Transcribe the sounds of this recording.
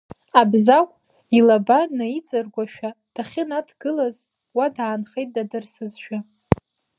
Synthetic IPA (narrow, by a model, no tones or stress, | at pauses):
abzakʷʼ | ilabanait͡sʼɨrɡʷaʃᶣad̥aχʲɪnadʰɡ̥ɨlaz | wadaːnχejt̚ʼdadɨrsɨzʃᶣa